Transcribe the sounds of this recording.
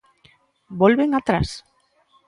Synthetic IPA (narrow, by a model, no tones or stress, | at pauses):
bɔlβeŋat̪ɾa̰s